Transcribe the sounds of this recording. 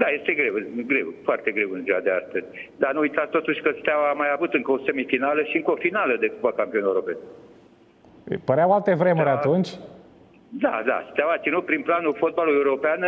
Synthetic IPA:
d̪ajest̪eɡɾewɨɡɾewfoart̪eɡɾewɨnziad̪ea̰st̪əzʲd̪anuujt̪at̪st̪ot̪uʃʲkəst̪eawamajavut̪ɨŋkəosemifinaləʃiɨŋkəofinaləd̪ekupakampio̞newɾopen | pəɾeawalt̪evɾemuɾat̪ũnt͡ʃʲ | d̪a̰d̪a̰st̪awat̪sinut̪̚pɾinplanufot̪̚baluewuɾopean

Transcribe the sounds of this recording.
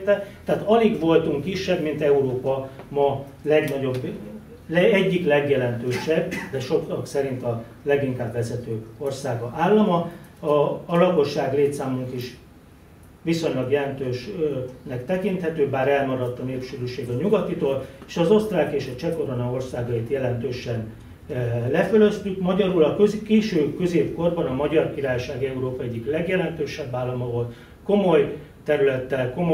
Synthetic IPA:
t̪ɛt̪ːɛːt̪ɒliɡʋo̞lt̪uŋkːiʃːɛbmint̪ɛuɾoːpɒmɒ | lɛɡnɒɟo̞b | lɛɛɟːiklɛɡjɛlɛnt̪øːʃɛbːd̪ɛʃo̞kɒksɛɾint̪ɒ | lɛɡiŋkaːbʋɛzɛt̪øːo̞rsaːɡɒʔaːlːɒmɒɒːlɒko̞ʃːaːɡleːt̪saːmuŋkiʃ | ʋiso̞ɲlɒɡjɛlɛnt̪øːʃnɛkt̪ɛkint̪hɛt̪øːbaːɾɛlmɒɾɒt̪ːɒneːpʃyɾyʃeːɡɒɲuɡɒt̪it̪oːleːʃɒzo̞st̪raːlkeːʃɒt͡ʃɛko̞ɾonɒo̞rsaːɡɒjit̪jɛlɛnt̪øːʃɛn | lɛfølø̞st̪ykmɒɟɒɾulɒkøzikeːʃøːkø̞zeːpko̞rbɒnɒmɒɟɒrkiɾaːjʃaːɡɛuɾoːpɒɛɟːiklɛɡjɛlɛnt̪øːʃɛbːaːlːɒmɒvo̞lt̪ | ko̞mo̞j | t̪ɛɾylɛt̪ːɛlko̞mo

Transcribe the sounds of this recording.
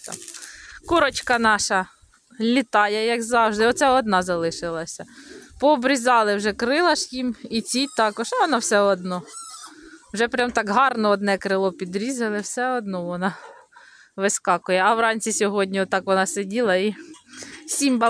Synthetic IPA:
t̪ɑ̰kuɾɔt͡ʃkɐnɑʃɐ | lʲit̪ɑjɛjɐɡzɑwʒd̪ɪɔt̪sɛɔd̪nɑzɐlˠɪʃɪlˠɐsʲɐpɔːbɾʲizɑlˠɪwʒɛkɾɪlˠɐʃjimit͡sʲijt̪ɑkɔʃɑʋɔnɑwsɛɔd̪nɔ | wʒɛpɾʲamt̪ɑkɦɑrnɔɔd̪nɛkɾɪlˠɔpʲid̪ɾʲizɐlˠɪwsɛɔd̪nɔʋɔnɑ | ʋɪskɑkʊjɛɐwrɑnʲt͡sʲisʲɔɦɔdʲnʲiɔt̪ːɑkʋɔnɑsedʲilˠɐi | sʲimbɐ

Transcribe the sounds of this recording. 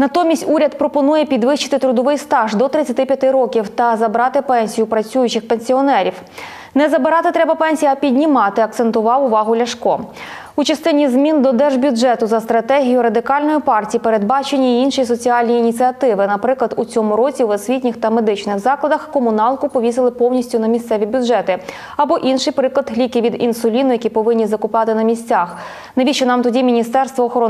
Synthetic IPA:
nɐt̪ɔmʲisʲtʲuɾʲɐd̪pɾɔpɔnujɛpʲid̪ʋɪʃt͡ʃɪ̥t̪ɪt̪ɾʊd̪ɔʋɪjst̪ɑʒd̪ɔt̪ɾɪt͡sʲɐt̪ɪpʲjɐt̪ɪɾɔkʲiwt̪ɐzɐbɾɑt̪ɪpɛnʲsʲijʊpɾɐt͡sʲujʊt͡ʃɪxpenʲsʲiɔnɛɾʲiw | nɛzɐbɪɾɑt̪ɪt̪ɾɛbɐpɛnʲsʲijɐpʲidʲnʲimɑt̪ɪɐk̚t̪sent̪ʊʋɑwʊʋɑɦʊlʲɐʃkɔ | ut͡ʃɐst̪ɪnʲizmʲind̪ɔd̪ɛrʒbʲʊd͡ʒʒɛt̪ʊzɐst̪ɾɐt̪ɛɦʲijʊɾɐd̪ɪkɑlʲnɔjipɑrtʲijipeɾe̞d̪̚bɑt͡ʃenʲːiːinʃis̬ɔt͡sʲiɑlʲnʲiːnʲit͡sʲiɐt̪ɪʋɪnɐpɾɪklˠɐd̪ut͡sʲɔmʊɾɔt͡sʲiwɐsʲʋʲitʲnʲɪxt̪ɐme̞d̪ɪt͡ʃnɪxzɑklˠɐd̪ɐxkɔmʊnɑlˠkʊpɔʋʲisɪlˠɪpɔwnʲisʲtʲʊnɐmʲist̪sɛʋʲibʲʊdʒɛt̪ɪ | ɐbɔʔinʃɪjpɾɪklˠɐd̪ɦlʲikɪʋʲid̪insʊlʲinʊjɐkʲipɔʋɪnʲːizɐkʊpɑt̪ɪnɐmʲisʲt͡sʲɑx | neʋʲiʃt͡ʃʊnɑmt̪ɔdʲimʲinʲist̪ɛrst̪ʋɔːxɾɔ

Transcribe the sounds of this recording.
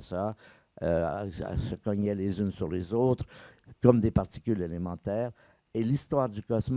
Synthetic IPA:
sa | ø̰səkɔɲɛlezynsyʁlezot̪χkɔmd̪epaʁt̪i̥kʲylelemɑ̃t̪ɛːʁ | elist̪waʁd̪ykɔsm

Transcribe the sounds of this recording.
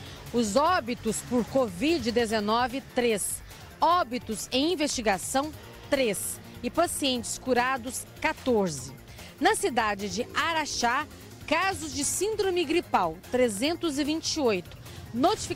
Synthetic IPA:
ʊzɔbit̪ʊspʊɾkovid͡ʒɪd̪ezenɔvɪt̪ɾes | ɔbit̪ʊzẽj̃ĩvest͡ʃiɡasɐ̃w̃ | t̪ɾes | ɪpasiẽnt͡ʃɪ̥skuɾad̪ʊs | kat̪oɾzɪ | nɐsid̪ad͡ʒɪd͡ʒɪaɾaʃa | kazʊzd͡ʒɪsĩnd̪ɾõmɪɡɾipawt̪ɾezẽnt̪ʊzɪvĩnt͡ʃɪojt̪ʊ̥ | not͡ʃifi

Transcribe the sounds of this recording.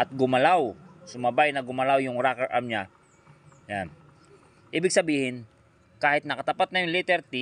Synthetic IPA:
ʔɐt̪̚ɡʊmɐlawsʊmɐbajnɐɡʊmɐlawjʊŋɾakɛɹʔamɲa | jan | ʔiːbɪɡ̚sɐbiːhɪn | kaːhɪt̪nɐkɐt̪ɐpat̪̚nɐjʊŋlit̪ɛɾt̪ɪ

